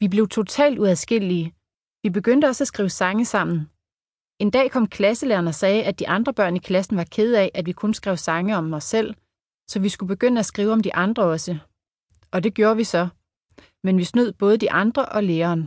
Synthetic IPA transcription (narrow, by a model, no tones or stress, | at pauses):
ʋib̥le̝ʊt͡sʰo̝t͡sʰɛ̰ːld̥uæðˠsɡ̥e̝l̰iə | ʋib̥e̝ɡ̥øn̰d̥əɒ̽sæsɡ̥ʁiːʊsɑ̈ŋəsɑ̈m̰n̩ | e̝nd̥ɛ̰ːkʰɒ̽m̰kʰlæsəleːɐnɒ̽sɛːʔæd̥iʔɑ̈nd̥ʁɐb̥ɶɐ̰nikʰlæsn̩ʋɑ̈kʰe̝ð̞̩ˠɛʔæd̥ʋikʰɔ̽nsɡ̥ʁɛʊsɑ̈ŋəɒ̽mɒ̽sel̰ | sɒ̽ʋisɡ̥ub̥e̝ɡ̥øn̰əæsɡ̥ʁiːʊɒ̽md̥iʔɑ̈nd̥ʁɐɒ̽sə | ɒ̽d̥e̝ɡ̥jo̝ːɐʋisɒ̽ | menʋisnuð̰ˠb̥ɔ̽ːð̞̩ˠd̥iʔɑ̈nd̥ʁɐʔɒ̽leːɐːn